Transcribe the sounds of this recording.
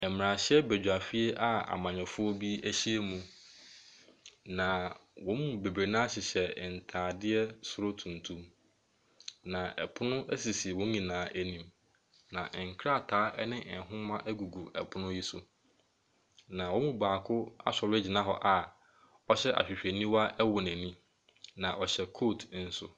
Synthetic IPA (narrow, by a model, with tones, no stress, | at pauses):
ɛ˨m˨ã˨ɕɛ˦bæ˨d͡ʑᶣu˨a˨fi˦e˦ʔa˦a̰˨mã˨ɲᶣɛ̃˨fʊ˦ɔ˦bi˦æ˦ɕi˦e˦mũ˨ | nã˨wɔ̃˦mũ˨be˨bɾe˨nã˦ɕɪ˨ɕɛ˨n̩˨tʰaː˨dɪ˦ɛ˦sʊ˦ɾo˦tʰũ˨n˨tʰũ˦m | nã˨ɛ˨pʰʊ˦nʊ̃˦ʔæ˦si˨si˨wõ˦ɲĩ˨nãː˨˦ʔæ˦nĩ˨m | nã˨ʔŋ̩˨kʰɾa˦˨tʰaː˨˦ʔɛ˦nɪ̃˦ʔɛ˨ɦʊ̃˦mã˦ʔæ˦ɡu˨ɡu˨ɛ̰˨pʰʊ˦nʊ̃˦ji˦sʊ˨ | nã˨wɔ̃˦mũ˦˨baː˨kʰʊ˦a̰˦sɔ˨lʊ˦ɛ˦d͡ʑi˨nã˦ɦɔ˨ʔa˨ | ɔ˦ɕɛ˦ʔa̰˨ɕᶣɪ˨ɕᶣæ˨nĩ˦wa˦ʔɛ˦wʊ˨næ̃˨nĩ˦ | nã˨ʔɔ˨ɕɛ˨kʰoː˦˨tʰn̩˦sʊ̰˨